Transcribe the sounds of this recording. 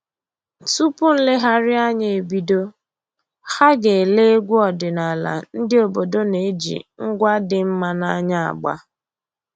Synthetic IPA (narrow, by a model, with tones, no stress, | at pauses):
tu˦pʊ˦n̩˦lɪ˦ɦa˦ɾɪ˦a˦ɲe˨e˨bi˨do˦ | ha˦ɡe˨le˦e˦ɡʷu˦ɔ˨dɪ˨na˨la̰˨n̩˦dɪ˦o˨bo˨do˦ne˨e˦d͡ʒḭ˨ŋ̩˦ɡʷa˦dɪ˨m̩˦ma˨na˦ɲa˦a̰˨ɡ͡ba̰˦